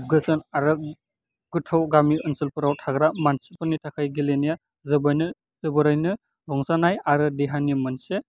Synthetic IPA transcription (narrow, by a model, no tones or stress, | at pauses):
b̚ɡɯzɯnaɾɯ | ɡ̥ɯtʰawɡamiɯnsɯlpɯɾawtʰaɡɾamansi̥pʰɯnitʰakʰajɡilenija | zɯbajnɯ | z̥ɯbɯɾajnɯ | ɾɔŋzanajaɾɯdeɦanimɯnse